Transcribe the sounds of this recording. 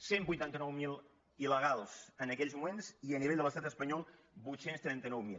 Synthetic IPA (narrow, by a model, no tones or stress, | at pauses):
sembujt̪ant̪ənɔwmilˠ | iləɣ̞alˠz̥ənəkɛʎzmumenziəniβɛʎd̪ələst̪at̪əspəɲɔlˠ | bujt̪senst̪ɾɛnt̪ənɔwmil